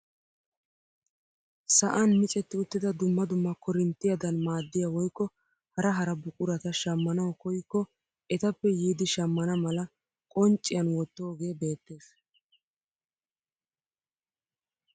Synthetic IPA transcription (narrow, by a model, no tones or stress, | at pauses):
sɐʔɐnmɪt͡sʼɛt̪ːɪʊt̪ːɪd̪ɐd̪ʊmːɐd̪ʊmːɐkɔɾɪnt̪ːɪjɐd̪ɐnmaːd̪ːɪjawɔjkːɔ | hɐɾɐɦɐɾɐbʊkʼʊɾɐt̪ɐʃɐmːɐnɐwkɔjkːɔ | ʔɛt̪ɐpːɛjiːd̪ɪʃɐmːɐnɐmɐlɐ | kʼɔnt͡ʃʼːɪjɐnwɔt̪ːoːɡe̞ːbe̞ːt̪ːe̞ːs